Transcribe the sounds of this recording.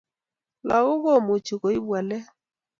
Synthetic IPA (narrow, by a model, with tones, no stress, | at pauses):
la˨ɣʊ˦ɣɔ˦˨mu˨t͡ʃi˨ɣo˨i˦bwa˨lɛ˦